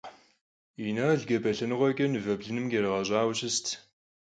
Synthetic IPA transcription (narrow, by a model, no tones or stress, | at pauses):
inaɮɡɐbɐɬɐnɨʁʷɔɡʲʼɐnɨvɐbɮɨnɨmɡerɨʁɐʑʼɑːwɕɪstʰ